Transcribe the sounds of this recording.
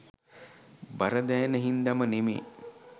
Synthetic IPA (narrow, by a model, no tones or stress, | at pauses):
bɐɾɐd̪ɛːnəɦind̪ɐmənimḛː